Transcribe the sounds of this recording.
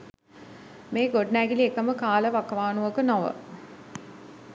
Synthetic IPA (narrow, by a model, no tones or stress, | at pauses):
meːɡoɖnæːɡiliekəməkaːləʋakəʋaːnuʋəkənoʋə̰